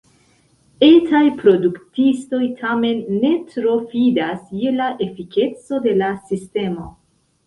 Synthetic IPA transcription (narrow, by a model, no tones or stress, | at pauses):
e̞tʰajpɾo̞duktisto̞jtʰame̞nːe̞tɾo̞fidasjelaʔe̞fike̞t͡so̞de̞lasiste̞mo̞